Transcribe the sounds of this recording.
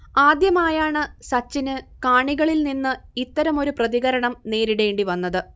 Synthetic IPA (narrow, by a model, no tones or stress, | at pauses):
aːd̪jɐmaːjaːɳɨsɐt͡ɕːinɨkaːɳiɣɐɭilninːɨit̪ːɐɾɐmo̞ɾuprɐðiɣɐɾɐɳɐmne̞ːɾiɽe̞ːɳɖiʋɐnːɐðɨ